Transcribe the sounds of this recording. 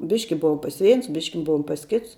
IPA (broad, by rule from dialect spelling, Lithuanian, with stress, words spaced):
ˈbʲɪʃʲkʲɪ ˈbʊʋoːm pɐs ˈʋʲɛɪns ˈbʲɪʃʲkʲɪ ˈbʊʋoːm pɐs ˈkʲɪts